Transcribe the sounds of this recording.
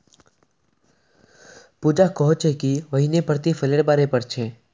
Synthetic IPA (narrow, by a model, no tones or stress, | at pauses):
puːd͡ʒakɔɦʊt͡ʃekiʋɐɦinepɾt̪ifʰəleɽbaːɾepɐɾt͡ʃʰeː